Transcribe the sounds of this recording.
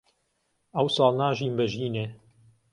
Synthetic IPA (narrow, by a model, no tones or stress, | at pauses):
ɐwsɑːlˠnaːʒiːmbɐʒiːneː